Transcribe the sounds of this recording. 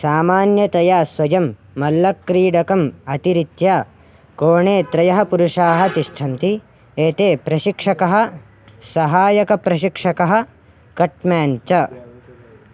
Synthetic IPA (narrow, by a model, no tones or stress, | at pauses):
saːmaːnjɐt̪ɐjaːswɐjɐmː | ɐlːɐkːɾiːɽɐkɐmɐt̪iɾit̪jaː | koːɳeːt̪ɾɐjɐɦɐpuɾuʂaːɦɐt̪iʂʈʰɐnt̪i | eːt̪eːpɾɐʃikʂɐkɐɦɐ̆ | sɐɦaːjɐkɐpɾɐʃikʂɐkɐɦɐ̆ | kɐʈmjaːnt͡ʃɐ